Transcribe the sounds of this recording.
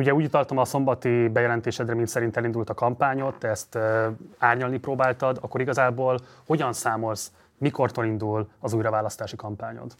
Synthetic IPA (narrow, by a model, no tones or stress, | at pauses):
uɟɛuːɟut̪ɒlt̪ɒmɒso̞mbɒt̪ibɛjɛlɛnt̪eːʃɛd̪rɛmint̪sɛɾint̪ɛlind̪ult̪ɒkɒmpaːɲo̞t̪ːɛst̪ːaːrɲɒlniproːbaːlt̪ɒd̪ɒkːo̞ɾiɡɒzaːboːlho̞ɟɒnsaːmo̞ls | miko̞rt̪olind̪ulɒzuːjrɒvaːlɒst̪aːʃikɒmpaːɲo̰t̪